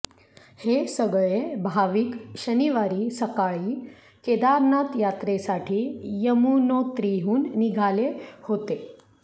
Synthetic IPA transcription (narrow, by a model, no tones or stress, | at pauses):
hesəɡɭebʱaʋiːkɕəniʋaɾiːsəkaɭiː | ked̪aɾnat̪jat̪ɾesaʈʰiːjəmunot̪ɾiɦuːnːiɡʱalehot̪e